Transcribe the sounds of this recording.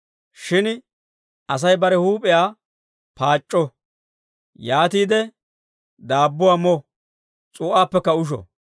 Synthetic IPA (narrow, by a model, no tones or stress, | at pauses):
ʃɪn | ʔɐs̬ɐjbɐɾɛhuːpʼɛjaː | paːt͡ʃʼːɔ | jaːt̪iːd̪ɛ | d̪aːbːʊwaːmɔ | t͡sʼuːʔaːpːɛkːɐʊʃ̬ɔ̰